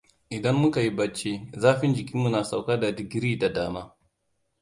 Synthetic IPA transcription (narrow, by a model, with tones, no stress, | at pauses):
ʔɪ˨dɐ˦mːʊ˦ka˨ji˦bɐ˦t͡ʃːe˦zaː˦ɸɪ˦nd͡ʒɪ˨kʲi˦mːu˦˨naː˨sa˨wkaː˦da˨dɪ˨ɡʲɾiː˦da˨daː˦maː˦